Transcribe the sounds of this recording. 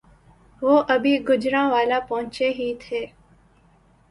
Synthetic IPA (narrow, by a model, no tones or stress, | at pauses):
ʋoːʔəbʱiːɡʊd͡ʒɾãːʋaːlaːpəɦʊ̃t͡ʃeːɦiːt̪ʰeː